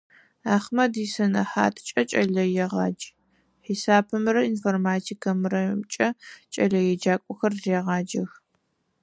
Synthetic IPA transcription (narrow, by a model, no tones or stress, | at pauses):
aːχmɐdiːsɐnɐħa̰ːtʰt͡ʃʼɐt͡ʃʼɐɮɐjɛʁɑːd͡ʒ | ħisaːpʰɨmɨrɐinfoːrmaːtʰikʰɐmrɐt͡ʃʼɐt͡ʃʼɐɮɐjɛd͡ʒaːkʷʼɔxɐrzeːʁɑːd͡ʒɐx